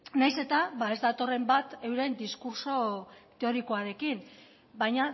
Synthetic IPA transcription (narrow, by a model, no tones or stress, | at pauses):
najse̞t̪aβae̞zd̪at̪o̞re̞mbat̪e̞wɾe̞nd̪iskuɾso̞t̪e̞o̞ɾiko̞aɾe̞kin | bajɲa